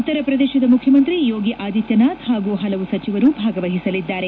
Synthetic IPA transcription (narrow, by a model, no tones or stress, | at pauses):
ut̪ːɐɾɐpɾɐd̪ɛːʃɐd̪ɐmukʰjɐmɐnt̪ɾijoːɡiʔaːd̪it̪jɐnaːt̪haːɡuːɦɐlɐʋusɐt͡ʃiʋɐɾuːbʱaːɡɐʋɐɦisɐlid̪ːaːɾe